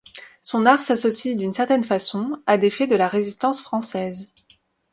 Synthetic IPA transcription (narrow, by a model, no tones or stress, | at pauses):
sɔ̃naʁsasɔsid̪ynsɛʁt̪ɛnfasɔ̃ad̪efɛd̪əlaʁezist̪ɑ̃sfχɑ̃sɛːz